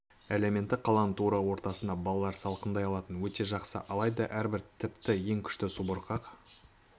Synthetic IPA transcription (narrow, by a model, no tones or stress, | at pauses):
ele̞me̞nt̪ːɪqʰɑlˠɑnət̪ʰuɾɑwo̞ɾt̪ɑsənd̪ɑbɑlˠɑlˠɑɾsɑlˠqənd̪ɑjɑlˠɑt̪ənwɵt̪e̞ʒɑqsə̰ʔɑlˠɑjd̪ɑʔæɾbɪɾt̪ʰɪpt̪ɪje̞ŋkʲʰʏ̥ʃt̪ɪsubəɾqʰɑq